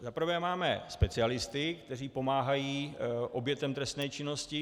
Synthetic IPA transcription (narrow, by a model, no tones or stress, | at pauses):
zapɾ̩vɛːmaːmɛ̰spɛt͡sɪalɪst̪ɪkt̪ɛriːpo̞maːɦajiːʔo̞bjɛt̪ɛmt̪ɾɛst̪nɛːt͡ʃɪno̞scɪ